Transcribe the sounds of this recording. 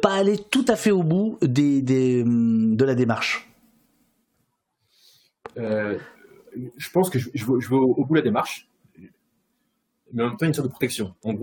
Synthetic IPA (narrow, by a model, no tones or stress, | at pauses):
paːlet̪ut̪afɛobud̪ed̪emd̪əlad̪emaʁʃ | ø | ʒ̥əpɑ̃skəʒəʒəvøʒəvøobud̪əlad̪emaʁʃ | mɛɑ̃mɛmt̪ɑ̃jansɔt̪d̪əpχɔt̪ɛksjɔ̃ɑ̃ɡʁ